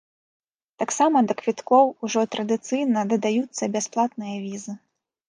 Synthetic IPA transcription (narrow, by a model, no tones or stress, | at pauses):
t̪aksamɐd̪ɐkvʲit̪kɔwuʐɔt̪ɾɐd̪ɨt̪sɨjnɐd̪ɐd̪ajut̪sːɐbʲasplˠat̪nɨjɐvʲizɨ